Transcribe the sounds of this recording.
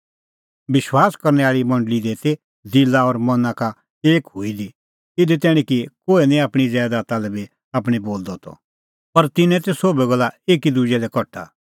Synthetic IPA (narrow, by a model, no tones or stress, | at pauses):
bɪʃwaːskɐɾnɛaːɭimɐ̃ɳɖəlid̪eːt̪e | d͡zɪlːaɔɾmɐnaka | eːkɦʊid̪i | ɪd̪ɛt̪ɛːɽ̃ĩkikoːenĩaːpɽ̃izɛːd̪at̪alɛbi | aːpɽ̃iboːld̪ɔt̪ɔ̰ | pɐɾt̪ɪnɛ̃t̪ɛsoːbɛɡɔlaeːkid̪ud͡ʒɛlɛkɔʈʰa̰